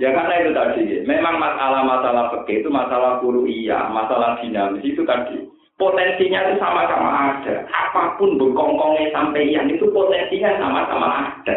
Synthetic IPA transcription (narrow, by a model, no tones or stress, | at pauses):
jakarnait̪ut̪ad̥ikememaŋmasalahmasalahsəkɪt̪umasalahkuɾuʔija̰masalahd̪̥i̤namisit̪ut̪ad̥ḭ | pot̪ɛnsiɲat̪usamasama̰ʔaɖ̥a̤̰apapʊnbəkɔŋkɔŋesampɛjaŋit̪upot̪ɛnsiɲasa̰ma̰sa̰ma̰aɖ̥a̤